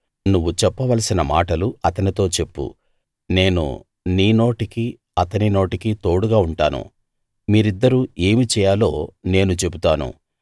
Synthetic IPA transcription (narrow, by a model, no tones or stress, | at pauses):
nuʋːut͡ʃɛpːɐʋɐlɐsinɐma̰ːʈɐluɐt̪ɐnit̪o̞ːt͡ʃe̞pːṵ | ne̞ːnṵ | niːno̞ːʈiki | ɐt̪ɐnino̞ːʈikit̪o̞ːɽuɡaːuɳʈaːnṵ | miːɾid̪ːɐɾuːe̞ːmit͡ʃɛːjaːlo̞ːne̞ːnut͡ʃe̞but̪aːnṵ